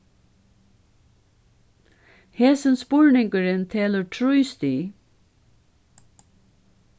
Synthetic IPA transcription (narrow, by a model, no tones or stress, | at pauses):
heːsənspʊɹɳɪŋkəɾɪnt̪ʰeːləɹʈʰɹuʏst̪iː